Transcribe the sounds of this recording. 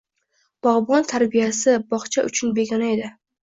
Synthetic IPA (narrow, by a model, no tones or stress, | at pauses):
b̥ɒʁbɒnt̪ʰaɾbijasɪbɒχt͡ʃʰaʔʊ̰t͡ʃʰʊnbe̞ɡʲanae̞d̪ɪ